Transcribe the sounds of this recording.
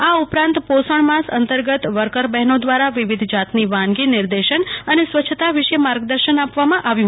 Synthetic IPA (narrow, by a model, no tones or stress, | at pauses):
aupɾãnt̪posəɳmãsə̰nt̪əɾɡət̪ʋəɾkəɾbɛɦnod̪ʋaɾaʋɪʋid̪ʱd͡ʒat̪niʋãnɡinɪɾd̪eʃənənesʋət͡ʃʰət̪aʋɪʃəmaɾɡd̪əɾʃənapʋamãʔaʋjũ